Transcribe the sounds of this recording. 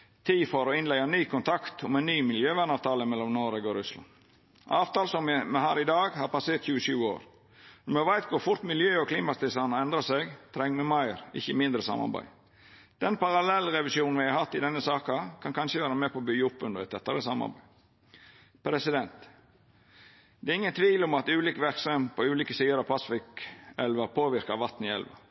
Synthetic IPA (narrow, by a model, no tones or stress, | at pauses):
t̪ʰiːfɔɾɔɪnlæɪɑnyːkʰʊnt̪ʰɑkt̪ʰɔmɛɪnnyːmɪljøːʋæːɳɑːʋt̪ʰɑːləmɛlːɔmnoːɾeɡoːɾʉslɑ̰n | ɑːʋt̪ɑːlsɔmmɛhæːɾɪd̪ɑːɡhɑːɾpɑseːʈ̪çʉːəʃʉːəo̰ːɾ | ɔmɛʋæɪt̪kʰʊɾfʊɾt̪mɪljøːɔkʰliːmɑst̪ɪsɑnɑɛnd̪ɾɑsɛɡt̪ʰɾɛŋːmɛmɑɪɾɪçəmɪnd̪ɾəsɑ̰mɑ̰ɾbæ̰ɪ | d̪̥ɛnpɑɾɑlɛlɾɛʋɪsjuːnn̩ʋɪhæɪhɑt̪ːɪd̪ɛnːəsɑːkɑkʰɑnkʰɑnʃəʋæːɾəmɛpɔbyʊpːʉnd̪əɾɛt̪ɛt̪ːəɾəsɑmɑ̰ɾbæ̰ɪ | pʰɾɛsɪd̪ɛnt̪ | d̪ɛːɾɪŋːənt̪ʰʋiːlɔmɑt̪ʉːliːkʋæɾksɑmpʰɔʉːliːkəsiːəɾɑpʰɑsfɪkɛlʋɑpʰoːʋɪɾkɑʋɑt̪nɪɛ̰lʋɑ̰